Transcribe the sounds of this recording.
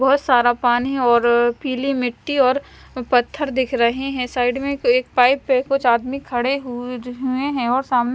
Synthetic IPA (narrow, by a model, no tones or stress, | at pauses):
bɔɦʊt̪saːɾapaːniɦɔːɾpiːlimɪʈːiɔːɾ | pɐt̪ʰːəɾd̪ɪkʰɾɐɦeɦɛ̃saːɪɖmẽeːk̚paːɪpːekʊt͡ʃaːd̪mikʰɐɽeɦɦueɦɛ̃ɔːɾsaːmn